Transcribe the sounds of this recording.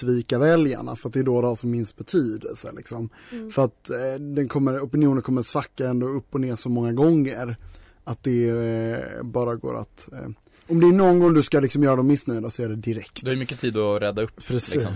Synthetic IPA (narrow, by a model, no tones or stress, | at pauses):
viːkavɛlja̰ɳa̰fœɾat̪̚d̪ɛːd̪oːd̪ɛhaʂɔmːɪnsbɛt̪ʰyːd̪ə̰lsə̰lɪksɔm | fœɾat̪d̪ɛnkʰɔmːəɾɔpɪnɪuːnənkʰɔmːəɾat̪sfakːaɛnd̪oɵpːɔneːʂɔmɔŋːaɡɔŋːəɾ | at̪̚d̪ɛ | bɑːɾaɡo̰ːɾa̰t̪ | ɔmd̪ɛæɳɔnɡɔŋːd̪ɵskalɪksɔmjœːɾad̪ɔmːɪsnœjd̪asɔæɖɛd̪ɪɾɛkt̪hajmʏkːət̪ʰiːd̪ɔɾɛd̪ːaɵpːpʰɾɛsliːs